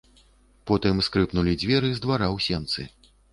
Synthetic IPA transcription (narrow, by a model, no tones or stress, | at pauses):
pɔt̪ɨmskɾɨpnulʲid͡zʲvʲɛɾɨzd̪vaɾawsʲɛnt̪sɨ